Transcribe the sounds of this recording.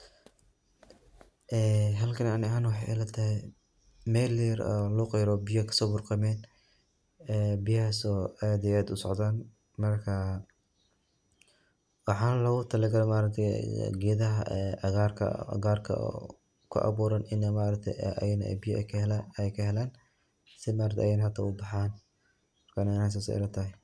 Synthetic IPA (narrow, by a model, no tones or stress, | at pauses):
ʔɛːɦɐlkʰɐnanɪɦaːnwɑħɑjʔɛ̰lɐt̪ʰɐhɛj | mɛːliɾɔ̰luqɛjɾɔːbɪjɐkʰɐ̥sɔːbʊrqɑmɛːn | ɛːbɪjɐhɐsɔːɛd̪ɛjaːd̪ʊsɔ̰ʕd̪aːn | mɐrkʰɐ | wɑħɑːnlɐɣʊt̪ʰɐlɐɡɐɾɛmaːɾɐk̚t̪ʰɛ̰ɡɛːðɐɦɐ̰ɛʔɣarkʰɐ̰ɡaːrkʰɐ̰ | kʰʊ̰ʔɑ̰βuːɾɐnɪnɐmaːɾɐk̚t̪ʰɛ̰jnɛ̰bɪjɐkʰːkʰɐɦɛlaːn | sɪmaːɾɐkt̪ʰɛ̰ʔjɛnɐɦɐt̪ʰɐʊbɑħaːn | mɐrkʰɐnɐɪnas̬aːsɛ̰ɪ̰lɐt̪ʰɐɦɛ